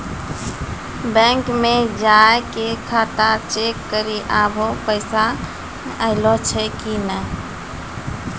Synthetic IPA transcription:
bɛ̃ːŋkmẽd͡ʒaːekekʰaːt̪at͡ʃeːkːəɾiʔaːbʱopəɪsa | əɪlot͡ʃʰekinə̃ː

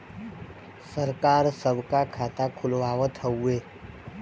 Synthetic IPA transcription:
səɾkaːɾsəbʱkakʰaːt̪akʰʊlʋaːʋət̪ʰəueː

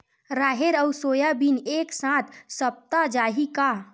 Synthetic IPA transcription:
ɾaɦeɾəwsojabineksãt̪ʰsəp̚t̪ad͡ʒaɦika

